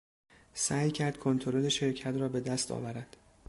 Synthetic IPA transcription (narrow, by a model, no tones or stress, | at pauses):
sæːjcʰæɾd̪̚kʰont̪ʰo̞ɾole̞ʃe̞ɾcʰæt̪ʰrɒːbe̞d̪æst̪ɒ̰ːvæɾænd̪̥